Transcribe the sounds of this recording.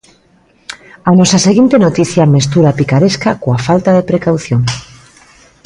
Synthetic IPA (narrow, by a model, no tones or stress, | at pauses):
anɔsaseɣint̪enot̪iθjamest̪uɾapikaɾeskakoafalt̪aðepɾekawθjoŋ